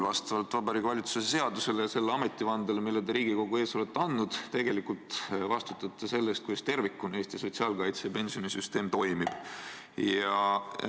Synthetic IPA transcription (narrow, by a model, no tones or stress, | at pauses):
vɑst̪ɑvɑlt̪ːˑvɑbɑɾikːvɑlʲit̪susese̞ɑd̪use̞lejɑse̞lːeɑme̞t̪ːˑivɑnd̪elemilːed̪eɾiːɡ̥iko̞ɡue̞ːso̞let̪ːˑeɑnːud̪̥t̪e̞ɡ̥e̞likult̪vɑst̪ut̪ːˑɑt̪ːˑɑse̞lːest̪kujst̪e̞rvikːˑune̞ːst̪iso̞t̪ʲsiɑːlkɑjt̪sejɑpe̞nsio̞nisyst̪e̞ːmt̪o̞jmib̥ | jɑ